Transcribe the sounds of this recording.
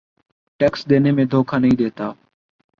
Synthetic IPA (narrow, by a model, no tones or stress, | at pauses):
ʈeːksɗ̪eːneːmẽːd̪ʱoːkʰaːnəɦĩːɗ̪eːt̪aː